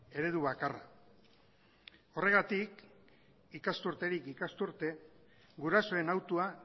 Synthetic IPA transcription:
e̞ɾe̞ðuβakara̰ | o̞re̞ɣ̞at̪ik | ikast̪uɾt̪e̞ɾikikast̪uɾt̪e̞ | ɡuɾaso̞e̞nawt̪ua

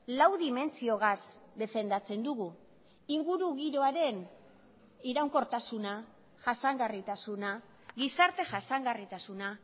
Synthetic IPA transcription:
lawðime̞nt͡sio̞ɣ̞asd̪e̞fe̞nd̪at͡se̞nd̪uɣu | iŋɡuɾuɣiɾo̞aɾe̞n | iɾawŋko̞ɾt̪asuna | ʝasaŋɡarit̪asuna | ɣisaɾt̪e̞ʝasaŋɡarit̪asuna

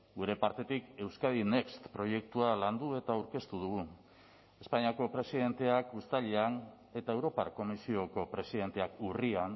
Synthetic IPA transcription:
ɡuɾe̞paɾt̪e̞t̪ike̞wskaðine̞kst̪pɾo̞je̞k̚t̪ualand̪ue̞t̪awɾke̞st̪uð̞uɣ̞u | e̞spaɲiako̞pɾe̞siðe̞nt̪e̞akust̪aʎean | e̞t̪ae̞wɾo̞paɾko̞misio̞ko̞pɾe̞siðe̞nt̪e̞akurian

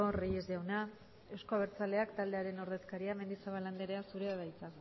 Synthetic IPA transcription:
orijezʝawna | e̞wskoaβ̞e̞ɾt͡sale̞akt̪ald̪e̞aɾe̞no̞ɾðe̞skaɾiame̞nd̪isaβaland̪eɾe̞asuɾeaβajt͡sa

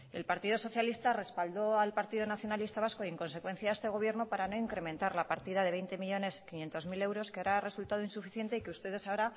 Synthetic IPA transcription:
e̞̰lpaɾt̪ið̞o̞so̞θjalist̪are̞spald̪o̞alpaɾt̪iðo̞naθjo̞nalist̪aβasko̞eŋko̞nse̞kwe̞nθjae̞st̪e̞ɣ̞o̞β̞je̞ɾno̞paɾano̞iŋkɾe̞mẽ̞nt̪aɾlapaɾt̪ið̞aðe̞βe̞jnt̪e̞miʎo̞ne̞skinje̞nt̪o̞zmile̞wɾo̞skeaβɾare̞sult̪að̞oinsufiθje̞nt̪eikeust̪e̞ðe̞saoɾa

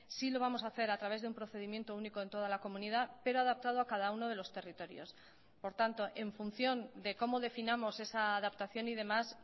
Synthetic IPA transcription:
silo̞β̞amo̞saːθe̞ɾat̪ɾaβ̞e̞zðeumpɾo̞θe̞ðimje̞nt̪o̞uniko̞ent̪o̞ð̞alako̞mũniðape̞ɾoaðap̚t̪að̞oakað̞auno̞ð̞e̞lo̞st̪e̞rit̪o̞ɾjo̞̰s | po̞ɾt̪ant̪o̞ʔe̞ɱfunθjo̞nd̪e̞ko̞mo̞ðe̞finamo̞se̞saːðapt̪aθjo̞niðe̞mas

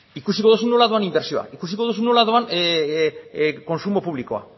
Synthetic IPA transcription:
ikusiko̞ðus̬unolaðuanimbe̞ɾsio̞a̰ʔikus̬iko̞ð̞us̬unolaðuan | ko̞nsumo̞puβliko̞a̰

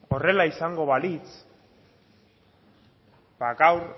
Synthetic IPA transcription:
o̞re̞laisaŋɡo̞βalit͡s | baɣawɾ

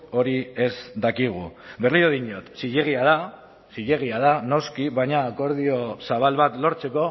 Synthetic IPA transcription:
o̞ɾie̞zd̪akiɣ̞ṵβe̞rlioðiɲo̞t̪siʎe̞ɣ̞iað̞a | siʎe̞ɣ̞iað̞ano̞skiβajɲaːko̞ɾð̞io̞saβalβat̪lo̞ɾt͡se̞ko̞

